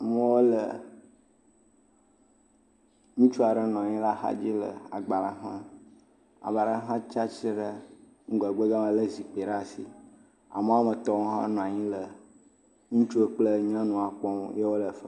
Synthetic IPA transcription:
mə̃˦wo˦lə˨ | ŋũ˦t͡ʃu˦a˨ɖə˦nɔ̃˨a˨ɲĩ˦la˦xa̰˦d͡ʑi˦lə̰˨a˨ɡ͡ba˨la˦ɦã̰˦ | a̰˨ba˨ɖa˦ɦã˦t͡ʃa˦t͡ʃi˦ɖə˦ | ŋ̩˦ɡa˨ɡ͡be˦ɡa˦mã˦lə˦zi˨k͡pe˨ɖa˦˨si˨ | a̰˨mə˦a˦mə˨t̪ɔ˦wo˦ɦã̰˦nɔ̃˨a˨ɲĩ˦lə˨ | ŋũ˦t͡ʃu˦e˦k͡plə˦ɲ˦ã˦nũ˨a˨k͡pɔ˦m˦je˦wo˦lə˨fə˦

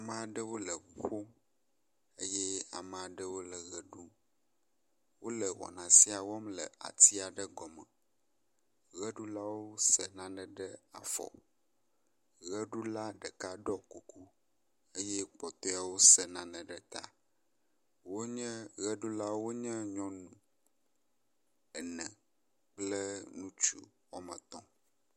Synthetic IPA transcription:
a˨mə̃˨a˨ɖə˦wo˦lə˨ɸo˦m | ə˦jɛ˦a˨mə̃˨a˨ɖə˦wo˦lə˨ɣə˦ɖu˦ | wo˦lə˨wɔ̰˨nã˨si˦a˨wɔ˦mlə˨a̰˨t̪i˦a˨ɖə˦ɡɔ˨mə̃˨ | ɣə˦ɖu˦la˦wo˦sə˨nã˦nə̃˨ɖə˦a̰˨fɔ̰˨ | ɣə˦ɖu˦la˦ɖə˨ka˦ɖɔ˦ku˨ku˦ | e˦jɛ˦k͡pɔ˨t̪ɔ˦a˨wo˦sə˨nã˨nə̃˨ɖə˦t̪a˦ | wo˦ɲɛ̃˦ɣə˦ɖu˦la˦wo˦ɲɛ̃˦ɲɔ̃˦nũ˨ | ɛ˨nɛ̃˨ | k͡plə˦nũ˦t͡ʃṵ˦ | wɔ˦mə̰̃˨t̪ɔ̃˦

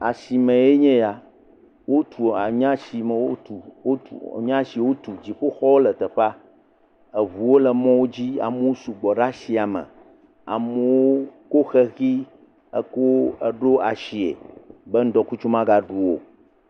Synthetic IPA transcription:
a̰˨si˨mɛ̃˨e˦ɲɛ̃˦ja˨ | wo˦t̪ʰu˨a˨ɲ˦ã˦si˨mɛ̃˨wo˦t̪u˨o˦ṵ˨ɲ˦ã˦ʃi˨wo˦t̪u˨d͡ʑi˨ɸo˦xɔ˦wo˦lɛ˨t̪ɛ˨ɸa˦ | ɛ˨vu˨wo˦lɛ˨mɔ̃˦wo˦d͡ʑi˦a̰˨mũ˦wo˦su˨ɡ͡bɔ˨ɖa˦ʃi˨a˨mə̰̃˨ | a̰˨mɛ̃˨wo˦ko˦xɛ˦xi˦ | ɛ̰˦ko˦ə˦ɖo˦a˨ʃi˨ḛ˨bɛ˦ŋ̩˦d̪ɔ˨ku˦t͡ʃu˦mã˦ɡa˨ɖu˦wo˨

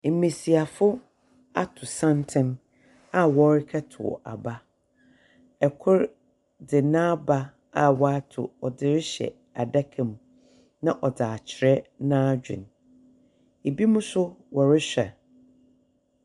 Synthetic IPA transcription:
m̩˨mẽ˨si˨a˨fʊ˦ | a̰˦tʰʊ˨sã˦ntʰɪ̃˦m | a˦wɔ˦ɾɪ˦kʰɛ˦tʰʊ̰˨ʔa̰˨ba˦ | ɛ˨kʰʊ˦ɾ | dɪ˨nã˦ba˦ | a˦wa˦tʰʊ̰˨ɔ˨dɪ˨ɾɪ˦ɕɛ̰˨ | a˨da˦kʰɛ̃˨m | nã˦ʔɔ˨daː˨t͡ɕʰɪ˨ɾɛ˦nãː˦d͡ʑᶣɪ̰̃˨n | e˨bi˦mũ˦sʊ˦wɔ˨ɾɪ˦ɕᶣɛ˨

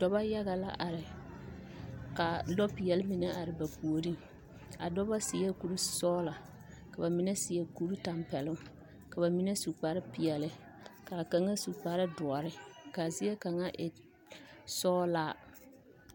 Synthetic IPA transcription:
d̥ɔ˦ba˦ja˦ɣa˨la̰˦ʔa˨ɾɪ˨ | ka˨lɔ˦pɪ˨ɛ˨lɪ˦mɪ˨nɛ˦ʔa˨ɾɪ˨ba˨pu˨o˨ɾi˦ŋ | a̰˨dɔ˦ba˦sɪ˨ja˦ku˨ɾu˦sɔː˦la˨ | ka˨ba˨mɪ˨nɛ˦sɪ˨jɛ˦ku˦ɾu˦ta˨mpɛ˨lʊ˦ | ka˨ba˨mi˦nɛ˦su˨k͡pa˨ɾɪ˦pɪ˨ɛ˨lɪ˦ | ka˨ka˨ŋa˦su˨k͡pa˨ɾɪ˦dʊ˨ɔ˨ɾɪ˦ka˨zɪ˦ɛ˦ka˨ŋa˦ʔɪ̰˨ | sɔː˦laː˦˨

